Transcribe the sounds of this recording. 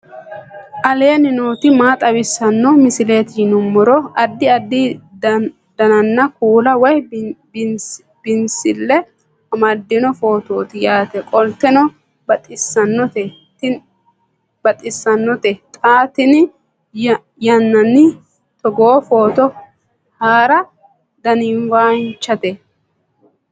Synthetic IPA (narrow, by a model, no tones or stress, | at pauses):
ʔɐle̞ːnɪnoːt̪ɪmaːt̪ʼɐbɪsːɐnːɔmɪsɪle̞ːt̪jnʊmːɔɾɔɐd̪ːɪɐd̪ːɪd | d̪̥ɐnɐnːɐkuːlɐwɔj | b̥ɪnsɪlːɛ | ɐmad̪ːɪnɔfo̞ːt̪o̞ːt̪ɪjaːt̪ɛkʼɔlt̪ɛnɔ | bɐt̪ʼɪsːɐnːɔt̪ɛ | t̪ɪ | b̥ɐt̪ʼɪsːɐnːɔt̪ɛt̪ʼaːt̪ɪn | jɐnːɐnːɪ | t̪ɔɡoːfoːt̪ɔ | haːɾɐ | d̪ɐnɪnwaːnt͡ʃːɐt̪ɛ